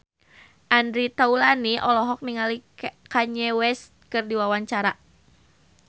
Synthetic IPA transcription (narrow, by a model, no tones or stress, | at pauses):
ʔandɾit̪aulaniʔɔlɔɦɔk̚niŋalikaɲɛwɛst̪̚kɨrdiwawaɲt͡ʃaɾa